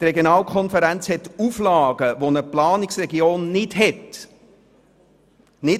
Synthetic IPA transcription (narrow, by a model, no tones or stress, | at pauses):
t̪rɛɡjonɑːlˠkʰɔnfəɾænt͡shɛt̪uflɑːɡəʋonəplɑːnɪksrɛɡioːnːɪdɦɛt | nɪ